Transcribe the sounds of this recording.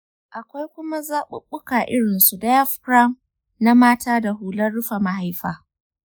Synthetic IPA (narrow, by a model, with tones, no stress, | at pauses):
ʔa˨kʷa˦jkʷʊ˦ma˦zaː˦ɓʊ̰˦ɓʊ˦kaː˨ʔɪ˦ɽɪ˨nsu˨da˦ja˦fkɾa˦m | na˦maː˦taː˦da˨ɦuː˨lɐ˦rɽʊ˦ɸa˨ma˨ɦa˦jɸaː˨